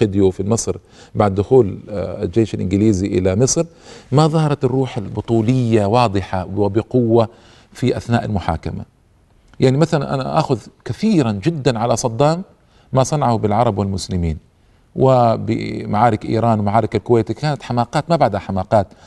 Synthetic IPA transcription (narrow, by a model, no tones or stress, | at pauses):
ɪd̪jufilmɨsˤɾ | baʕd̪ːʊxuːlld͡ʒeːʃalʔɪ̰nɡɪliːziʔɪ̰lamɨsˤɾmaðˤɑhɑɾˤɑt̪ɑrːuːħalbʊt̪ˤuːlɪjːawɑːd̪ˤɨħawɪbɪqʊwːa | fiʔaθnaːʔalmʊħa̰ːka̰ma̰ | jaʕnimaθalanʔa̰na̰ʔa̰ːxʊðkaθiːɾand͡ʒɪd̪ːanʕalasˤɑd̪ˤːɑːmː | asˤɑnɑʕhbɪlʕɑɾˤɑbwɪlmʊslɪmiːn | wɪbɪ̰maʕaːɾɪkʔḭːɾˤɑːnwɪmaʕaːɾɪkalkʊweːt̪ikaːnat̪ħamaːqɑːt̪mabaʕd̪haħamaːqɑːt̪